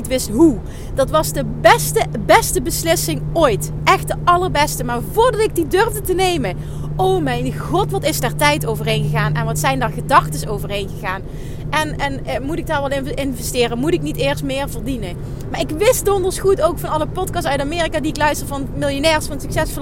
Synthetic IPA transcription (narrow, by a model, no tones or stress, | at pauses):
itʋɪstɦu | dɑtʋɑzdəbɛstəbɛstəbəslɪsɪŋoːjt | ʔɛxtdəʔɑlˠəɹbɛstəmaːɹvʊːɹdɑtɪɡ̚didøɹvdətənejmə | ʔowmɛjnɣɔtʋɑtɪsdaːɹtɛjtowvərɦejnɣəɣaːnɛ̰nʋɑtsɛjndaːɹɣədɑxtəsowvərɦejnɣəɣaːn | ʔɛnɛnmutɪk̚daːɹʋɛlˠɪɪnvɛstɪːrənmutɪknitɪːɹst̚mɪːɹvəɹdinə | maːɹɪkʋɪst̚dɔndəlsχutowkfɑnɑləpɔtkɑstœɥtamɪːrikaːdiɪklœɥstərəvɑnmɪlˠjənɛːɹsfɑntsy̥ksɛsfol